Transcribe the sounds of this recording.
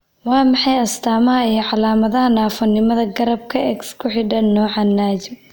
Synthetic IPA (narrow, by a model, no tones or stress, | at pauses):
wɑːmɑħɑjɐst̪ʰaːmɐɦɐijɐʕɑlaːmɐðɐɦɐnaːfɔnːɪmɐðɐɡɐɾɐb̚kʰɐɛkskʰʊħɪɖɐnːɔːʕɑnːaːd͡ʒɪb